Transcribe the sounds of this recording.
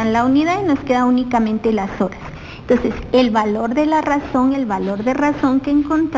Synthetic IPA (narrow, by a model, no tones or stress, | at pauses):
alauniðaðno̞ske̞ðaunikamẽ̞nt̪e̞laso̞ɾas | et̪o̞nse̞se̞lβalo̞ɾðe̞laraso̞ŋe̞lβalo̞ɾðe̞raso̞ŋke̞ːŋko̞nt̪ɾ